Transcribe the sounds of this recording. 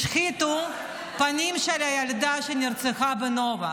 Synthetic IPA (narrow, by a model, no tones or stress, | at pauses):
ʃxit̪u | panʲimʃalʲajalʲd̪aʃɐnʲirt͡sʰɨxabɨnova